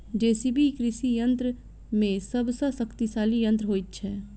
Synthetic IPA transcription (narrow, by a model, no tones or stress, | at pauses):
d͡ʒɛːsibʱikɾɪsijə̃nt̪ɾə | mẽsɐbsasɐkt̪isaːlijə̃nt̪ɾəɦoːit̪t͡ʃʰɛː